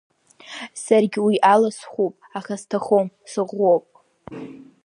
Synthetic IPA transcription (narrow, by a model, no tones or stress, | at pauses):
sarɡʲɪwiʔalasχʷupʼaχastʰaχom | sɨʁopʼ